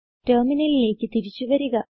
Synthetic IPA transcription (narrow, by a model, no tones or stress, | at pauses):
terminɐlile̞ːkʲːɨt̪iɾit͡ɕːuʋɐɾuɣɐ